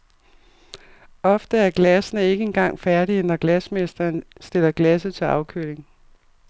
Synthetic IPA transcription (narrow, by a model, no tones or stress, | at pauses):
ɒ̽fd̥əæɐɡ̥læsənəe̝ɡ̥əenɡ̥ɑ̈ŋ̰fæɐdɾinɒ̽ɡ̥læsmesd̥ɐːnsd̥e̝l̰ɐɡ̥læs̬ət͡sʰe̝lɑ̈ʊkʰøle̝ŋ